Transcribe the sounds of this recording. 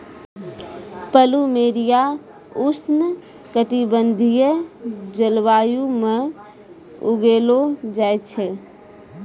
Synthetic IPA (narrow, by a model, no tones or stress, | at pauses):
pəlumeɾija | usnə | kəʈibənd̪ʱijəd͡ʒəlʋajume | uɡelod͡ʒajt͡ʃʰɛ